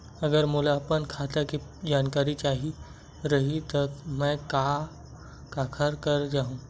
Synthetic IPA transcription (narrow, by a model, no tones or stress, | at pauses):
ɐɡəɾmʊlaɐpənkʰaːt̪akid͡ʒaːnkaːɾit͡ʃaːɦi | ɾɐɦit̪ɔkmɛ̃ka | kaːkʰəɾkɐɾd͡ʒaːɦũː